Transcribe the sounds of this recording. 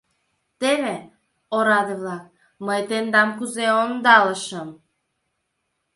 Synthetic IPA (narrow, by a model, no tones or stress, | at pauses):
t̪eβe | oɾɑd̪ɤβlɑk̚ | məjt̪end̪ɑmkuzeond̪ɑləʃəm